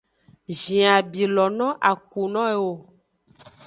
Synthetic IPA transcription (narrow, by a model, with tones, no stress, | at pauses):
ʒĩ˨a˨bi˨lɔ˨nɔ̃˦ʔa˨ku˨nɔ̃˦e˨wo˨